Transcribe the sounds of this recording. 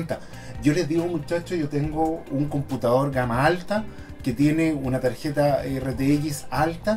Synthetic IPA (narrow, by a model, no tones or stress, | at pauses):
nt̪a | ɟ͡ʝolezðiɣomut͡ʃat͡ʃoʝot̪eŋɡouŋko̞mput̪aðo̞ɾɣamaalt̪a | ket̪je̞neunat̪aɾçet̪aeret̪eeʝisalt̪a